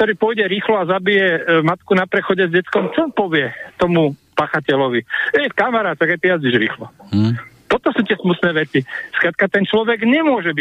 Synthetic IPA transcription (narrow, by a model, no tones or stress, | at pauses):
k̚t̪ɔɾiːpɔjɟɛɾiːxlɔazabijɛmat̪kunapɾɛxɔɟɛzɟɛt͡skɔmt͡ʃɔpɔʋɪɛt̪ɔmupaːxacɛlɔʋiɛjfkamaɾaːt̪ɛɣaɪt̪ijazɟiʒɾḭːxlɔ | t̪ɔt̪ɔsuːt̪ɪɛsmut̪nɛːʋɛt͡siskɾat̪̚kat̪ɛnt͡ʃlɔʋɛɡɲɛmʊɔʒɛbi